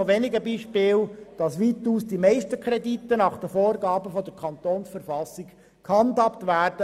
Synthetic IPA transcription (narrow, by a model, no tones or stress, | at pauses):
oʋɛnɪɡəbiːʃpɪːld̥ɑsʋiːt̪uːsd̥imɛɪstəkʰɾɛditːənɑχd̥əfoːrɡɑːbəfɔd̪əɾkʰɑnt̪oːnsfəɾfɑsːik | khɑndɑptvʋæːrd̥ə